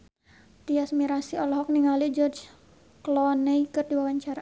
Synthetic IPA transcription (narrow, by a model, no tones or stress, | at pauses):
t̪iasmiɾasiɔlɔɦɔk̚niŋalid͡ʒɔrd͡ʒ | klɔneikɨrdiwawaɲt͡ʃaɾa